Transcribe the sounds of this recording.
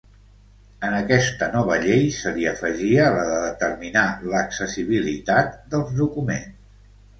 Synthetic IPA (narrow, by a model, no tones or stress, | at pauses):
ənəkɛst̪ənɔβ̞əʎejsəliəfəʒiələðəðət̪ərminaləksəsiβ̞ilit̪at̪̚d̪əlˠzðukumens